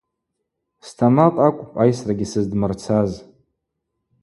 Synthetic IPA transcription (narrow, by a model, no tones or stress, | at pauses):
stʰamaqʼakʷʼpʼajsraɡʲisɨzdmɨrt͡sʰaz